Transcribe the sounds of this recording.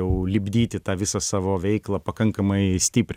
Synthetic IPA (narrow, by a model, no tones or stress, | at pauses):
ɛʊlʲɪbʲd̪ʲiːt̪ʲɪt̪ɑːʋʲɪsɐsɑːʋoːʋʲɛɪklˠɐpɐkɐŋkɐmɐɪsʲt̪ʲɪːpʲɾʲ